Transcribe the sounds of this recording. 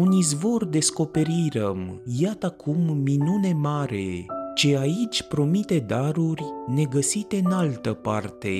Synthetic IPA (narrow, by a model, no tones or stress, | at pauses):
unizvo̞rd̪e̞sko̞pe̞ɾiɾəmjat̪əakʰumːinune̞maɾe̞t͡ʃe̞ait͡ʃʲpɾo̞mit̪e̞d̪aɾurʲne̞ɡəsit̪e̞ɨnalt̪əpart̪e̞̰